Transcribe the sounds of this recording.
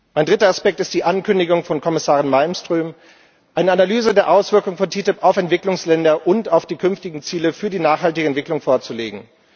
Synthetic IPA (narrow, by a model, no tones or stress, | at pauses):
maɪndʁɪtɐaspɛk̚tɪst̚d̥iːʔankʏndɪɡʊŋfɔnkʰɔmɪsaːʁɪnmaɪlmstʁ̥yːm | ʔaɪnəanalyːzədeːɐʔaʊsv̥ɪɐkʊŋfɔntʰiːtɪpaʊfɛntv̥ɪklʊŋslɛndɐʔʊntaʊfd̥iːkʰʏnftɪɡŋ̩t͡siːləfyːɐdiːnaːχhaltɪɡəɛntv̥ɪklʊŋfoːɐt͡sulḛːɡŋ̩